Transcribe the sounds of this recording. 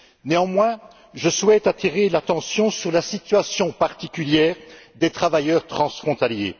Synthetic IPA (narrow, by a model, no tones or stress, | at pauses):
neɑ̃mwɛ̃ | ʒəswɛt̪at̪iʁelat̪ɑ̃sjɔ̃syʁlasit̪ɥasjɔ̃paʁt̪ikʲyljɛːʁd̪et̪χavajœʁt̪χɑ̃sfχɔ̃t̪aljḛ